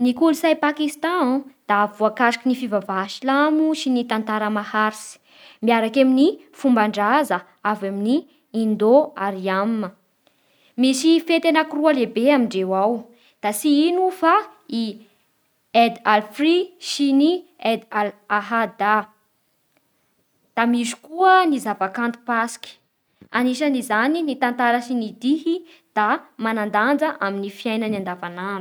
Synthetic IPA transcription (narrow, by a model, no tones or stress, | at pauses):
nikulusajpakist̪ɑ̃ad̪̥avuakaʃkinifivavaʃilamuʃinit̪ant̪aɾəmahaɾisi̥ | miaɾakamini | fumbaɳɖ͡ʐazə | avaminiː | nd̪oaɾiammə | misifet̪enəkurualebeamiɳɖ͡ʐewaw | d̪̥asiinufa | i | ed̪alfriʃini | ɛd̪alaɦad̪a | d̪̥amizu̥kuənizavakant̪u̥pasi̥ki̥ | aniʃanizaninit̪ant̪aɾəʃinid̪iɦi | d̪̥amanand̪and͡zəʔaminifjajnənand̪avananu̥